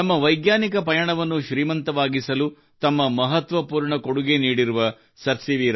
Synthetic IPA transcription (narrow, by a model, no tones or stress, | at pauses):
ɐmːɐʋɐjɡjaːnikɐpɐjɐɳɐʋɐnːuʃɾiːmɐnt̪ɐʋaːɡisɐlu | t̪ɐmːɐmɐɦɐt̪ʋɐpuːɾɳɐkoɽuɡeniːɽiɾuʋɐ | sɐɾsiʋiːɾ